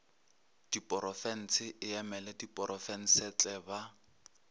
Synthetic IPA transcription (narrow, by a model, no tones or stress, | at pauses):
d̥ipʼɔɾɔfɛn̩t͡sʰɪʔɪjɛmɛlɛdipʼɔɾɔfɛn̩sɛt͡ɬʼɛba